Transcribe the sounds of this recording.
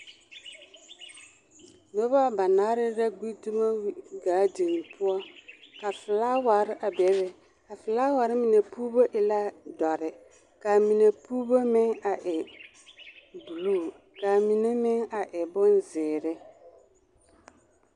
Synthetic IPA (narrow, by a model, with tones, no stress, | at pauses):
no˦ba˦ba˨naː˨˦ɾɪ˦ɾa˦ɡi˦tu˦ma˦wi˦ɡaː˨˦di˨ŋ˨pʰʊ˦ɔ˦ka˨fɪ˨laː˦wa˨ɾɪ˦ʔa˨bɛ˨˦βɛ˨ | ka˨fɪ˨laː˦waː˨ɾɪ˦mɪ˨ne˨puː˦bo˦ʔɪ˨la˦dɔ˨ɾɪ˨ | ka˨mi˨ne˨puː˦bo˦mɪ˦ŋa˨ʔɪ˨ | bu˨luː˦˨ | ka˨mi˨ne˦mɪ˦ŋa˨ʔɪ˨bʊ˦nzɪː˨ɾɪ˦